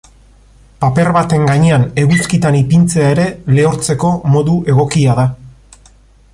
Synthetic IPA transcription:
pape̞ɾβat̪e̞ŋɡaɲe̞ane̞ɣuskit̪anipint͡se̞aeɾe̞le̞oɾt͡se̞ko̞mo̞ðuʔe̞ɣ̞o̞kiaða

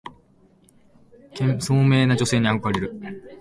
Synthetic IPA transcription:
kẽsoːme̞ːnad͡ʑo̞se̞ːɲ̟iaɡɯkɯaɾe̞ɾɯ̟

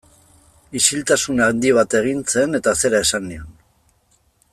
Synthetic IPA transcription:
isilt̪asunand̪iβ̞at̪e̞ɣ̞int͡se̞ne̞t̪ase̞ɾae̞sanːion

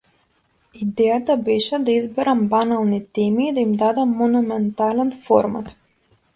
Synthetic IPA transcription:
id̪eat̪abiʃad̪izbɛɾambanalˠnit̪imid̪imd̪ad̪amːɔnumɛnt̪aːlanfɔɾma̰t̪

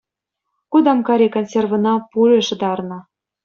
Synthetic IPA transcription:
kud̪ɑmkɑɾʲekonsʲervɤ̆nɑpulʲeʃɤd̪ɑrnɤ̆

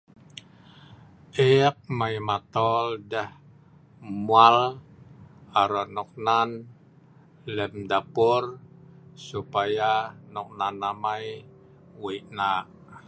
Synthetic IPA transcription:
ʔɛk̚majmat̪ɔldəh | mual | aɾɔʔnɔk̚nan | lɛmdapʊr | supajanɔk̚nanːamaj | wiʔnaʔ

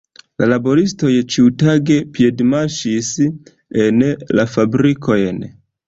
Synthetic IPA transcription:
lalabo̞ɾisto̞jt͡ʃiutaɡe̞pie̞dmaʃis | enlafabɾikʰo̞jn

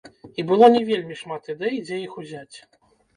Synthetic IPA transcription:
ibɨlˠanʲɛvʲelʲmʲiʂmat̪id̪ɛjid͡zʲɛjixuzʲat͡sʲ

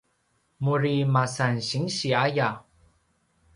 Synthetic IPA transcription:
muɾimasanɕiŋɕiaja

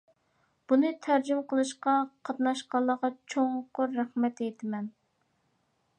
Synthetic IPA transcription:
b̥unɨt̪ʰæɾd͡ʒymqʰəlˠɨʃqɑqʰɑt̪nɑʃqɑlˠːəʁɑt͡ʃʰoŋqʊɾːæχmɛt̪ejt̪ʰɪmɛn

